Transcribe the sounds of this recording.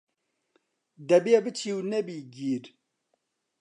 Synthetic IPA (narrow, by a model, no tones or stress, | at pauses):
d̪ɐbiebɨt͡ʃʰiːwnɛbiːɡiːɾ